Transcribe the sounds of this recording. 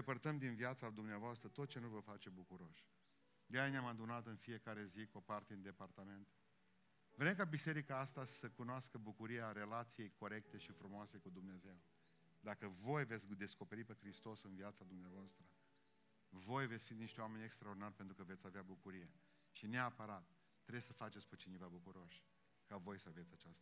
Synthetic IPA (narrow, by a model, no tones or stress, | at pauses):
d̪epərt̪əmd̪inviat̪sad̪umneavoast̪ɾət̪o̞t̪̚t͡ʃe̞nuvəfat͡ʃe̞bukuɾo̞ʃʲ | d̪eajneamad̪unat̪ɨnfije̞kaɾe̞zikopart̪eind̪e̞part̪ame̞nt̪ | vɾe̞mkabise̞ɾikaast̪asəkunoaskəbukuɾiaɾe̞lat̪sije̞jko̞ɾe̞k̚t̪e̞ʃifɾumoase̞kud̪umne̞ze̞w | d̪akəvo̞jve̞t̪sʲd̪e̞sko̞pe̞ɾipe̞xɾist̪o̞sɨnviat̪sad̪umneavoast̪ɾə | vo̞jve̞t̪sʲfind̪niʃt̪eame̞nʲekst̪ɾaord̪inarʲpe̞nt̪ɾukəvet̪sʲaveabukuɾije̞ | ʃineapəɾat̪ː | ɾesəfat͡ʃet̪sʲpet͡ʃinevabukuɾo̞ʃʲ | kavo̞jsəavet̪sʲat͡ʃast̪ə